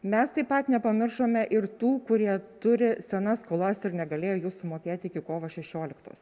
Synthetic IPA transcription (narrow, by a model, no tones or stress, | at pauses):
mʲɛst̪ɐɪpɐt̪nʲɛpɐmʲɪrʃoːmʲɛʔɪɾt̪uːkʊɾʲiɛt̪ʊɾʲɪsʲɛnɐskoːlˠɐsɪɾnʲɛɡɐlʲeːjoːjuːssʊmoːkʲeːt̪ʲɪkʲɪkoːʋɐʃʲɛʃʲoːlʲɪkt̪o̰ːs